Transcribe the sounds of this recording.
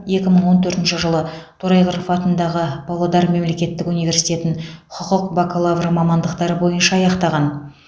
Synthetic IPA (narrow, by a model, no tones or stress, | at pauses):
je̞kʲɪməɴwo̞nt̪ʰɵɾt̪ɪnʃɪʒəlˠət̪ʰoɾɑjʁəɾfɑt̪ənd̪ɑʁəb̥ɑlˠɑd̪ɑɾme̞mle̞kʲe̞t̪ːɪkunijvʲe̞ɾsi̥jt̪ʲe̞t̪ɪŋqʰʊqʊqbakolˠavrmɑmɑnd̪əqt̪ɑɾəbo̞jənʃɑːjɑqt̪ɑʁɑn